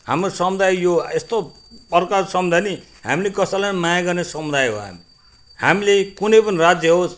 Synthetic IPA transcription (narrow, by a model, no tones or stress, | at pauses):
hamrosʌmud̪ajjoest̪o | pʌrkasʌmud̪ʱani | ɦa̰milekʌsʌlanmajaɡʌrnesʌmud̪ajɦo̰ɦa̰mi | hamilekunʌjpʌnirad͡zjʌɦos